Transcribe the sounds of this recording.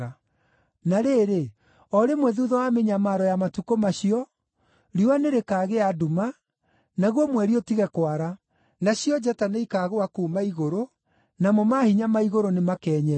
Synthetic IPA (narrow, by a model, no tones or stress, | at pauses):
a | naɾeːɾe | ɔɾemwɛðuðɔwameɲamaɾɔjamatukomaɕiɔ | ɾianeɾekaːɣeaduma | naɣwɔmwɛɾiɔtiɣɛkwaɾa | naɕjɔd͡ʒataneikaɣoakuːmaiɣoɾo | namomahiɲamaiɣoɾonemakɛːɲɛ